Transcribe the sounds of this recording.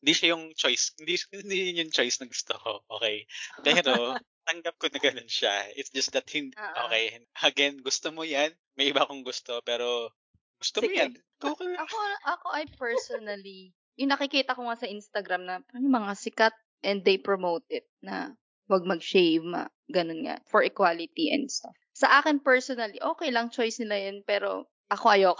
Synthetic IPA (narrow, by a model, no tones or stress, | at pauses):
hɪnd̪iʃajʊŋt͡ʃojshɪ̃nd̪iɪnd̪ijnjʊŋt͡ʃo̞jsnɐɡʊst̪o̰ko̞ʔoːkɛjppɛːɾo | t̪ɐŋɡap̚konɐɡɐnonʃaɪt̪sd͡ʒɐst̪d̪ɐt̪̚hɪnʔoːkɛjɐɡɛnɡʊst̪omojan | mɐjʔɪbakoŋɡʊst̪o̞pɛːɾo̞ | ɡ̥ʊst̪omojan | okɐoʔɐkoʔɐjpɛɹsonɐli | jʊŋnɐkɪkiːt̪ɐkoŋasɐʔinst̪ɐɡɾamnɐpɐʊmɐŋasɪkat̪̚ | ʔɛnd̪ːejpɹomowt̪̚ʔɪt̪̚nɐ | wɐɡ̚mɐɡ̚ʃejvma̰ | ɡɐnonŋa̰fɔɹɛkwaːlɪt̪iʔɛ̰nd̪st̪af | sɐʔaːkɪnpɛɹsonɐliʔo̞ːkɛjlɐŋt͡ʃojsnɪlajɐnpɛːɾo̞̰ | ʔɐko̞ʔɐjoːk